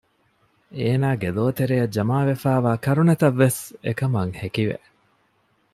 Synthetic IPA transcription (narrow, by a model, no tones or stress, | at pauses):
eːnaːɡeloːt̪eɾejɐd͡ʒɐmaːʋefæːʋaːkɐɾunɐt̪ɐʋːesḛkɐmɐŋhekiʋḛʔ